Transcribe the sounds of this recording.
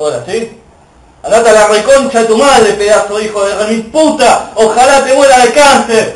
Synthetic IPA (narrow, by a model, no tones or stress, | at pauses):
oɾasi | anat̪alarekont͡ʃaðet̪umaðɾepeðasoixoðereimput̪aoxalat̪emweɾaðekaɾθeɾ